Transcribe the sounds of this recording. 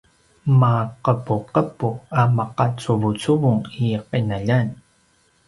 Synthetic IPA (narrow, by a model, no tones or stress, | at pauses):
maqəpuqəpuamaqat͡suvut͡suvuŋiqinaʎan